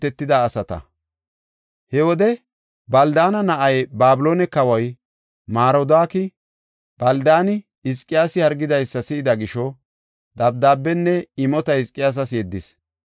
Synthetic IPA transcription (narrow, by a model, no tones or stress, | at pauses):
ɛt̪ːɪd̪aːsɐt̪ɐ̰ | hɛwɔd̪ɛ | bɐld̪aːnɐnɐʔɐjbaːbɪloːnɛkɐwɐj | maːɾɔd̪aːkɪ | b̥ɐld̪aːnɪ | ɪskʼːɪjaːsɪhɐɾɡɪd̪ɐjsːɐsɪːd̪ɐɡɪʃɔ | d̪ɐb̚d̪aːbːɛnːɛɪmɔt̪ɐhɪskʼːɪjaːs̬ɐsjɛd̪ːɪs